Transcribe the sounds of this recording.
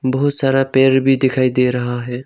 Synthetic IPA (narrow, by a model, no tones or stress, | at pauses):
bɐɦʊt̪saːɾapeːɾbʱid̪ɪkʰaːid̪eːɾɐɦaɦɛː